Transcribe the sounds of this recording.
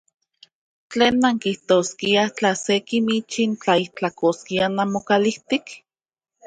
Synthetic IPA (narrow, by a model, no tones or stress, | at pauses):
t͡ɬeːnːaŋkiht̪oːskiat͡ɬasekimit͡ʃint͡ɬaiht͡ɬakoskianamokaliht̪ik